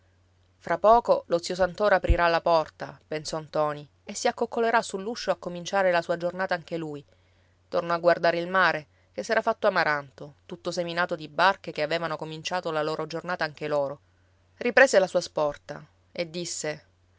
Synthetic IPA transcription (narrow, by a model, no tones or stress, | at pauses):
fɾapːɔːkolot̪sːjosant̪oːɾapɾiɾalːapɔrt̪apensɔnt̪ɔːni | esːiakːokːoleɾasulːuʃːoakːomint͡ʃaːɾelasuːad͡ʒornaːt̪aaŋk̟eluːj | t̪ornɔaɡward̪aːɾeilmaːɾe | k̟esːɛːɾafat̪ːoamaɾant̪ot̪ut̪ːoseminaːt̪od̪ibarkekeaveːvanokomint͡ʃaːt̪olaloːɾʔod͡ʒornaːt̪aaŋk̟eloːɾo | ripɾeːselasuːaspɔrt̪a̰ | ed̪ːisːe